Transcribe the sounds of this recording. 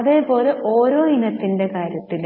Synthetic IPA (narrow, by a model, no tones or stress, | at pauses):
ɐðe̞ːpo̞ːle̞ʔoːɾo̞ːinɐt̪ːinde̞kaːɾjɐt̪ːil